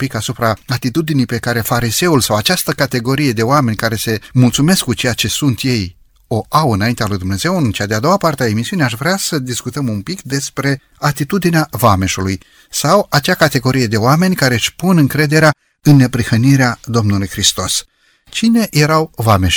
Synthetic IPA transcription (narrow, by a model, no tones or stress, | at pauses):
pikasupɾaat̪it̪ud̪inijpe̞kaɾe̞faɾize̞ulsawat͡ʃast̪əkat̪e̞ɡo̞ɾije̞d̪e̞oame̞nʲkaɾe̞se̞mult̪sume̞skːut͡ʃe̞jat͡ʃe̞sunt̪je̞j | o̞ʔawɨnaint̪ealujd̪umnez̥e̞wɨnt͡ʃead̪ead̪o̞apart̪eaemisiuneaʃvɾeasəd̪iskut̪əmumpikd̪e̞spɾe̞ | at̪it̪ud̪ineavame̞ʃuluj | sawat͡ʃakat̪e̞ɡo̞ɾije̞d̪e̞oame̞nʲkaɾeʃʲpunɨŋkɾe̞d̪e̞ɾea | ɨnːe̞pɾixəniɾead̪o̞mnulujxɾist̪o̞s | t͡ʃine̞je̞ɾawvameʃ